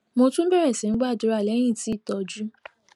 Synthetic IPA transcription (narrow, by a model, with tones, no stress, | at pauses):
mo˧tũ˦m̩˦bɛ˦ɾɛ˨sĩ˨n̩˦ɡ͡ba˦˨dʊ˨˦ɾa˦˨lɛ˨˦j̃ĩ˦˨ti˦i˦˨tɔ˨d͡ʒu˦